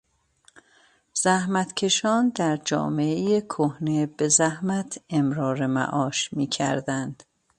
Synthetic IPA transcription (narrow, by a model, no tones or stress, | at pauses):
z̥æhmæt̪ʰcʰe̞ʃɒːnd̪æɾd͡ʒɒ̰ːmeejekʰohne̞be̞zæhmæt̪ʰemɾɒːɾemæ̰ʔɒːʃmiːcʰæ̰ɾd̪ænd̪̥